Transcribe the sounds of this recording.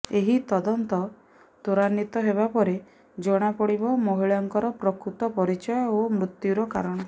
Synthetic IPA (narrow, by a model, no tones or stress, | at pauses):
eɦit̪ɔd̪ɔnt̪ɔ | t̪oɾanːit̪ɔɦeβapɔɾe | d͡ʒɔɽ̃apɔɽibɔmoɦiɭɔŋkɔɾɔpɾɔkɾut̪ɔpɔɾit͡ʃɔjɔomɾut̪juɾɔkaɾɔɽ̃ɔ